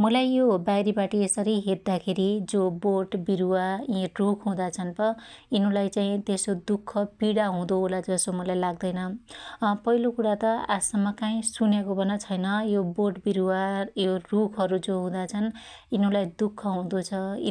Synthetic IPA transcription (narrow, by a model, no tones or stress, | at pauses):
mʌlajːobajɾibaʈiesʌɾiɦet̪̚d̪akʰeɾid͡zoboʈbiɾuaĩrukʰɦũd̪at͡sʰʌnbʌinʌ̃lajt͡saĩt̪esod̪ukʰːʌpiɽaɦũd̪oɦolad͡zʌsomʌlajlaɡ̚d̪ʌjnʌ | pʌɦilokuɽat̪ʌasʌmːʌkaĩsunjekobʱʌnʌt͡sʰʌjnʌjoboʈbiɾuwajorukʰʌɾud͡zoɦũd̪at͡sʰʌn | inulajd̪ukʰːʌɦũd̪ot͡sʰʌ